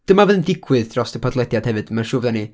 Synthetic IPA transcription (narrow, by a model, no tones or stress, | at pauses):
d̥əmavɛːðəndɪɡwɨðd̥rɔsd̥əpʰɔdlˠɛdjad̥hɛvɨd̥əmanʃʊvðani